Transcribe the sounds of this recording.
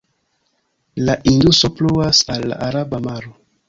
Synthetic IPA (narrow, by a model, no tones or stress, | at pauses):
laʔindusopluasalːa̰ʔːɾabamaɾo